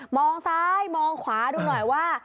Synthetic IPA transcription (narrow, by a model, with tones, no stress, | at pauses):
mɔː˧ŋsaː˦˥jmɔː˧ŋkʰwaː˩˦duː˧ŋnɔ˨˩jwaː˥˩